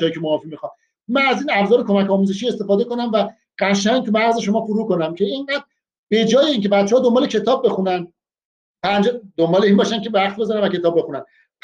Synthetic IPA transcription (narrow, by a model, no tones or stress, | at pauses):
jiːcʰemoɒːfimixɒm | mænæziːnæbzɒːɾekʰo̞mæcɒːmuze̞ʃ̬iːe̞st̪e̞fɒːd̪e̞ko̞næmvæ | ɢ̥æʃæŋt̪ʰumæɣze̞ʃo̞mɒːfuɾuːko̞næmcʰe̞eŋɢæd̪̥̚ | be̞d͡ʒɒːjeiːncʰe̞bæt̪t͡ʃːeɒːd̪ombɒːlecʰe̞t̪ʰɒːb̚ːe̞xunænd̪ | pʰænd͡ʒed̪ombɒːle̞iːnbɒːʃæncʰe̞æχt̪̚be̞zɒɾænvæcʰe̞t̪ɒːbːe̞xunæn